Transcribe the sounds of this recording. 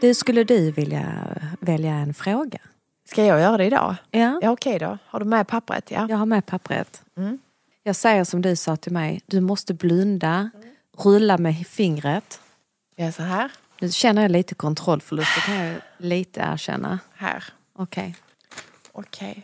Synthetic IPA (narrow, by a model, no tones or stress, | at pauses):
d̪̥ɵskɵlːəd̪ɵvɪlja̰vɛljaɛnfɾoːɡa | skajɑːɡjœːɾad̪ɛɪd̪ɑ̰ːjaːjaɔkʰɛjd̪ɔ̰haɖɵmɛpʰapːɾə̰t̪ja̰jɑːɡhaɾmɛpʰapːɾə̰t̪m̩ | jɑːɡsɛjːəʂɔmd̪ɵsɑːt̪ʰɪlmɛjd̪ɵmɔst̪əblɵnd̪a | ɾɵlːamɛfɪŋɾət̪ | jasɔɦæːɾ | nʉ̟ːɕɛnːəɾjɑliːt̪əkʰɔnt̪ʰɾɔlːfœɖɵskləkʰanliːt̪ʰə̰æ̰ːɕɛ̰nːa̰hæ̰ːɾ | ʔɔkʰɛ̰j | ɔkʰɛj